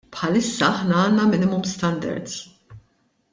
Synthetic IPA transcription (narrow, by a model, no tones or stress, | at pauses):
pħɐlɪsːɐɐħnɐɐːnːɐmɪnɪmʊmst̪ɐnd̪ɐ̰ɾd̪z